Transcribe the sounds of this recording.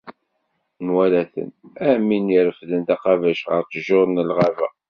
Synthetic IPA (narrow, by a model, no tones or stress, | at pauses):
nwælæθə̰næminiɾəfðənt̪æqɑvæʃʁə̰ɾtəʒʊɾˤnəlʁavæ̰